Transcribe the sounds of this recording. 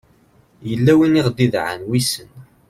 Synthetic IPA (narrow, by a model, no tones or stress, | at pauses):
jəlːæwiniʁd̪iðʕə̰nwisən